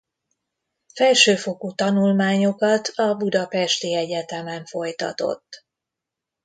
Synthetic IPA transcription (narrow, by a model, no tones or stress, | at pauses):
fɛlʃøːfo̞kut̪ɒnulmaːɲo̞kɒt̪ɒbud̪ɒpɛʃt̪iɛɟɛt̪ɛmɛɱfo̞jt̪ɒ̰t̪o̞̰t̪ː